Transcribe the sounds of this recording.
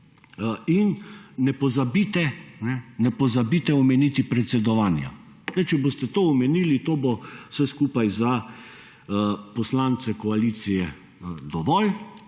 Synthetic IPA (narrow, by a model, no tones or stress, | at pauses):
innɛpɔzabit̪ɛnɛnɛpɔzabit̪ɛɔmɛniːt̪ipɾɛt̪sɛd̪ɔʋaːnja̰ | nɛt͡ʃɛbost̪ɛt̪oːɔmɛniːlit̪oːbo̥sɛskuːpajza | pɔslant̪sɛkɔalit̪sijɛ | d̪ɔʋɔl